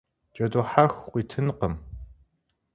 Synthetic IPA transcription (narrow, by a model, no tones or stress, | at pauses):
t͡ʃʼɐduħaxqʷiːtʰɨnqəm